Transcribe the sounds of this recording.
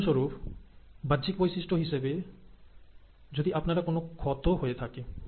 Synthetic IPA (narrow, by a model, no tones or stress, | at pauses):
ʃoɾuf | bad͡ʑikbojsiʃʈoɦiʃebe | d͡ʑod̪iʔapnaɾakonokʰɔt̪oɦoet̪ʰake